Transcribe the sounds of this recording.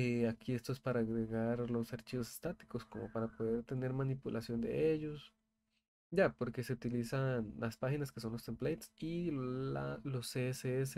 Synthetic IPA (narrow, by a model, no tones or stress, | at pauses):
eakʰie̞st̪oe̞spaɾaːɣɾeɣaɾlo̞saɾt͡ʃiβose̥st̪at̪i̥ko̞sko̞mo̞̰paɾapo̞ðe̞ɾt̪e̞ne̞ɾmanipulʔasjo̞nd̪e̞̰ʔeʝo̞s | ɟ͡ʝapo̞ɾke̞se̞ut̪ilisanlaspaxinaske̞s̬o̞nlo̞st̪emplejt̪sialoseeseese